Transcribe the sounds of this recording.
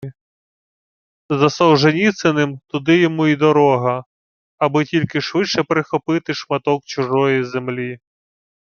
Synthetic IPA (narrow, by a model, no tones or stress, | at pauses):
zɐsɔwʒenʲit̪senɪmt̪ʊd̪ɪjɔmuid̪ɔɾɔɦɐ | ɐbɪtʲilʲkɪʃʋɪʃɛpɾɪxɔpɪt̪ɪʃmɐt̪ɔk̚t͡ʃʊʒɔjizemlʲi